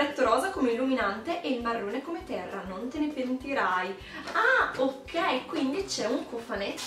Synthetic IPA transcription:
ɛt̪ːoɾɔːzakomeilːuminant̪eʔeilbarːoːnekomet̪ɛrːanont̪enepent̪iɾaj | aokʰːɛjkwind̪it͡ʃɛuŋkofanet̪ː

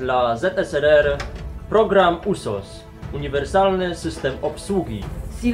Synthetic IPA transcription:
d̪lazɛt̪ɛsɛɾɛɾpɾɔɡɾamusɔ̰s | uɲivɛɾsalnɘsɘst̪ɛmɔpswuɡʲisi

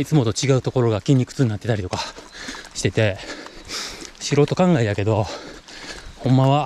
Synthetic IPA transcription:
it͡sɨmo̞t̪ot͡ɕiɡaɯ̟t̪o̞ko̞ɾo̞ɡakʲĩɲ̟ːikɯ̥t͡sɨɲinat̪ːe̞t̪aɾʲit̪o̞ka | ɕi̥t̪e̞t̪e̞ | ɕiɾo̞ːt̪ːo̞kãŋɡaej̪ake̞d̪o̞ | hõ̞mːaβa

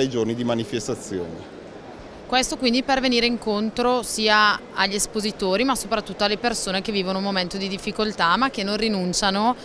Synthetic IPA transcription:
ejd͡ʒornid̪imanifest̪at̪sːjoːne | kwest̪okwind̪iperveniːɾeiŋkont̪ɾosiːaaʎːespozit̪oːɾimasopɾat̪ːut̪ːoalːepersoːnek̟evːiːvonoumːoment̪od̪id̪ifːikolt̪amak̟ːenːonrinunt͡ʃano

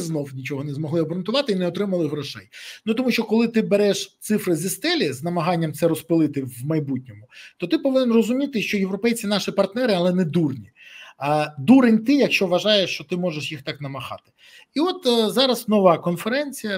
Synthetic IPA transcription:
znɔwnʲit͡ʃɔɦɔnɛzmɔɦlˠɪɔbɾɐnt̪ʊʋɑt̪ɪinɛɔt̪ɾɪmɐlˠɪɦɾɔʃɛ̰jnʊt̪ɔmuʃt͡ʃɔkɔlˠɪt̪ɪbeɾɛʃt̪sɪfɾɪzʲist̪ɛlʲiznɐmɐɦɑnʲːɐmt̪sɛɾɔspɪlˠɪt̪ɪʋmɐjbutʲnʲɔmʊt̪ɔt̪ɪpɔʋɪnenrɔzʊmʲit̪ɪʃt͡ʃɔjeʋɾɔpɛjt͡sʲinɑʃipɐrt̪nɛɾɪɐlˠɛnɛd̪urnʲi | d̪uɾɪnʲt̪ɪjɐkʃt͡ʃɔʋɐʒɑjɛʃt͡ʃɔt̪ɪmɔʒeʃjixt̪ɑkn̪ɐmɐxɑ̰t̪ɪ̥ | iɔt̪zɑɾɐsnɔʋɑkɔnfeɾɛnʲt͡sʲijɐ

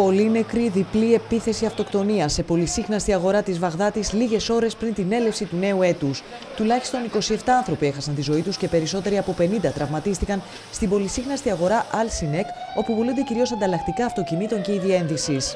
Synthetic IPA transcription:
po̞line̞kɾiðiplie̞piθe̞siɐft̪o̞kt̪o̞niɐse̞po̞lisixnɐst̪iɐɣo̞ɾɐt̪izvɐɣðɐt̪isliʝe̞so̞ɾe̞spɾint̪ine̞le̞fsit̪une̞ue̞t̪us | t̪ulɐçi̥st̪o̞niko̞sie̞ft̪ɐɐnθɾo̞pie̞xɐsɐnt̪izo̞it̪usce̞pe̞ɾiso̞t̪e̞ɾiɐpo̞pe̞nind̪ɐt̪ɾɐvmɐt̪ist̪ikɐn | st̪ibo̞lisixnɐst̪iɐɣo̞ɾɐʔɐlsine̞ko̞puɣulund̪eciɾio̞sɐnd̪ɐlɐkt̪ikɐːft̪o̞cimit̪o̞nce̞iðie̞nðisis

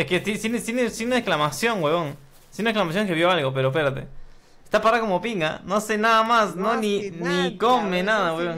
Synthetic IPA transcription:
eket̪it̪enet̪jenesinunaeklamasjoŋweβoŋ | sinunaeklamasjoŋke̞βjo̞alɣop̬e̞ɾopeɾat̪e | est̪apaɾakomopiŋɡa̰nosenaðamasnoninikomenaðaweβoŋ

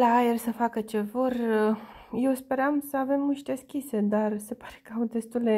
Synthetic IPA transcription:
laajersəfakət͡ʃe̞vo̞r | je̞wspe̞ɾamsəave̞mːuʃt̪e̞skʲised̪arse̞paɾe̞̥kəawd̪e̞st̪uld̪e

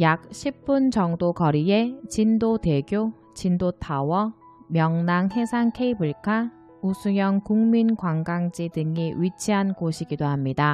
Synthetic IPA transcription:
jak̚ɕʰip̚p͈unt͡ɕʌŋdokʌɾie̞t͡ɕindode̞ɡjo | t͡ɕindotʰawʌ | mjʌŋnaŋɦe̞sʰankʰe̞ibɯɭkʰa | usʰuŋjʌŋkuŋminkwaŋɡaŋd͡ʑidɯŋiɥit͡ɕʰiɦankoɕʰiɡidoɦamɲida

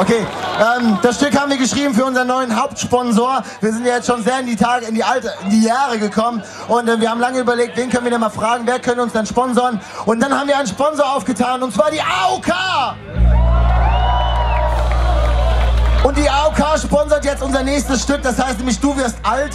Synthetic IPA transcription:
ʔokʰeːʔɛːmd̥asʃtʏkhaːbm̩viːɐɡəʃʁ̥iːbm̩fyːɐʔʊnzɐnɔʏənɦaʊp̚tʃpɔnzoːɐviːɐzɪntjajɛt͡stʃoːnzeːɐɪndiːtʰaːɡəɪndiːaltɪndiːjaːʁəɡəkʰɔmən | ʔʊntɛːviɐhaːmlaŋəyːbɐleːktv̥eːnkœnviɐdɛnmaːlfʁ̥aːɡŋ̩veːɐkʰœntəʊnsd̥ɛnʃpɔnzon | ʔʊnt̚d̥anhaːbmviɐaɪnənʃpɔnzoːɐʔaʊfɡ̥ətʰaːnʊntt͡sv̥aːɐdiːʔaokʰaː | ʔʊnt̚d̥iːʔaːokʰaːʃpɔnzɐtjɛt͡stʔʊnzɐnɛːçstəsʃtʏk̚d̥ashaɪstnɛːmlɪçd̥uːvɪɐstʔalt

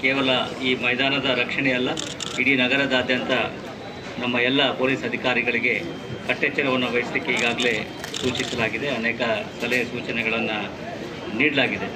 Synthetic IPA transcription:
keːʋɐlɐiːmɐjd̪aːnɐd̪ɐɾɐkʂɐɳɛjɐlːɐiɽinɐɡɐɾɐd̪aːd̪ʱjɐnt̪ɐ | nɐmːɐɛlːɐpo̞ːlisɐd̪ʱikaːɾiɡɐɭiɡe̞ | kɐʈːeːt͡ʃːɐɾɐʋɐnːuʋɐjslikːeiɡaːɡɐle̞ː | suːt͡ʃisɐlaːɡid̪eɐneːkɐsɐlejɐsuːt͡ʃɐnɛɡɐɭɐnːɐ | niːɽɐlaːɡid̪e̞

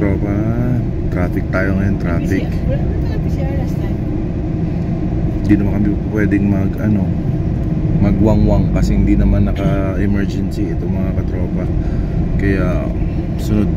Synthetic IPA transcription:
ɾoːpɐ | t̪ɾaːfɪk̚t̪aːjoŋɐjont̪ɾaːfɪk | hɪnd̪inɐmankɐmɪppwɛːd̪ɛŋmɐɡʔɐno̞ | mɐɡ̚waŋwaŋkɐsɛhɪnd̪inɐmanːɐkɐʔɛmɛɹd͡ʒɛnsiɛt̪o̞ŋmɐŋakɐt̪ɾo̞ːpɐkɐja | sʊnod̪̚

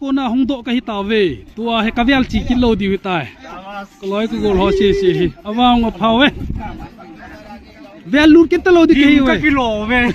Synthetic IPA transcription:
konaɦɔŋd̪ɔʔkahit̪awvet̪uaɦɛkavɛlt͡sikit̪̚lowd̪ihit̪ajkɔlɔjkuɡolɦɔseseɦiavaŋapʰawɛ | vɛlːunkit̪̚t̪alowd̪ikahiwjkilɔvɛ

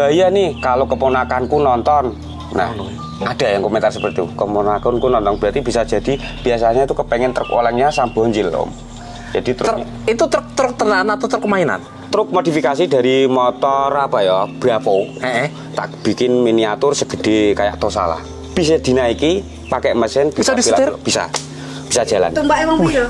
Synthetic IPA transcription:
b̥ajanikalokəponakankunɔnt̪ɔnː | a̰h | ad̥ajaŋkomənt̪arsəpərt̪iṵkəmonakʊnkunɔnt̪ɔnbəɾat̪ib̥i̤sad̥d͡ʒ̥a̤d̥ib̥iasaɦaɲait̪ukəpɛŋɛnt̪ɾʊko̰laŋɲasamb̥ɔ̤ɲt͡ʃɪlʊ̰m | d͡ʒ̥ad̥it̪ɾ | it̪ut̪ɾʊk̚t̪ɾʊk̚t̪ənanat̪ot̪ɾʊkəmaina̰n | t̪ɾʊk̚modifikasid̥a̤ɾimɔt̪ɔrapajɔb̥ɾafɔu | t̪a̰ʔb̥i̤kɪnminiat̪ʊrsəɡ̥ə̤d̥e̤kaja̰ʔt̪osa̰la̰h | b̥isad̪̥i̤naiki | pakɛʔməsɛnb̥isaadab̥isa̰ | b̥isadd͡ʒ̥a̤la̰numbaimaŋ

